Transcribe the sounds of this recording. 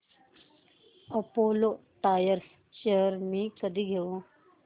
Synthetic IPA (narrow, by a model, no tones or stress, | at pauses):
ɐpoːloʈ̪aːjəɾs | ʃəɦəɾmĩkəd̪iɡʱeo